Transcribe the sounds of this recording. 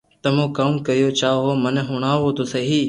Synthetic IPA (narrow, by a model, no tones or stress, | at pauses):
t̪ɐmõkaːmkɐɾijot͡ʃaːɦomɐnɦʊɽ̃aːʋot̪osɐɦiː